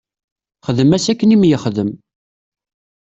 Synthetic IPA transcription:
χəðəmæsækːənimjəχðəm

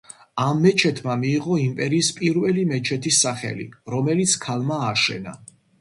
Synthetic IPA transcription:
amːɛt͡ʃʰɛt̪ʰmamiːʁɔimpʼɛɾiːspʼiɾvɛlimɛt͡ʃʰɛt̪ʰisːaχɛ̰lḭɾɔmɛlit̪sʰkʰalˠmaːʃɛ̰na̰

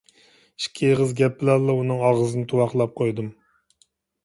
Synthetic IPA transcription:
iʃkʲʰeʁɨzɡʲɛpːɪlɑlːˠɑunɨŋɑʁəzɨnɨt̪ʰuwɑχlˠɑp̚qʰojd̪ɨm

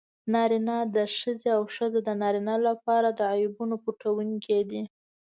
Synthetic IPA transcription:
nɑɾinɑd̪əʃəzeawʃəzod̪ənɑɾinɑlapɑɾad̪əajubunopuʈawuŋkʰed̪i

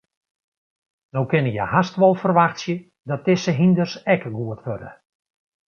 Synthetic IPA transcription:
nowkɪnəjə̰hastʋɔlˠfərʋaxtsjə | dɔt̚ɪsəɦindərsɛkɡuətʋødə̰

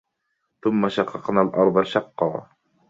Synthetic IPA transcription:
θʊmːaʃɑqːɑqnaːlʔɑɾˤd̪ˤɑʃɑqːɑː

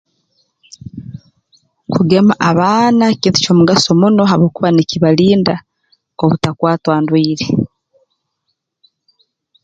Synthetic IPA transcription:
kʰuɡe̞maʔaβaːnaeciːnti̥coːmuɡaso̞muno̞ɦaβoːkuβaneciβaliːnda | oβutakwaːtwaːndwiːɾe

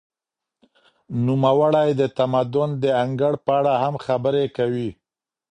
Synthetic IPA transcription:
numawaɽajd̪ət̪amad̪ʊnd̪əaŋɡəɽpəaɽahamxabəɾekawi

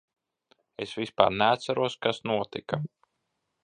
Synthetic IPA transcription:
esvispa̰ːɾnɛat̪saɾuɔskasnuɔt̪ika

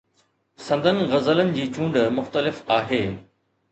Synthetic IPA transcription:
sɐ̃nd̪ʱənɪ̆ɣɐzələnɪ̆d͡ʑiːt͡ɕũːɳɖmʊxt̪əlɪfaːɦeː

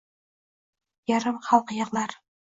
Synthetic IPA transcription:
jaɾɪmχɑlˠqjɤʁlˠaɾ

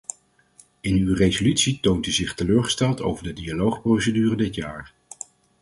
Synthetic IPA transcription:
ɪnywrezolytsitowntyzɪχtəløːɹχə̥stɛlˠto̰wvəɹdədialowχprowsədyːrədɪtja̰ːɹ

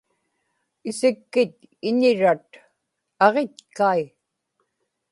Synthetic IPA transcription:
ɪsɪkːɪt̪ | ɪɲɪɻat̪̚ | ɑʁet̪̚kai

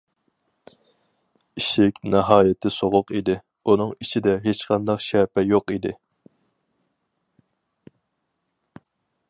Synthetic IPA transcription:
iʃɪkʲnɛɦɑːjɪt̪ʰɪsoʁʊqid̪ɪ | unɨŋit͡ʃʰid̪ɛɦet͡ʃqʰɑnd̪ɑqʃɛpɛjoqid̪ɪ

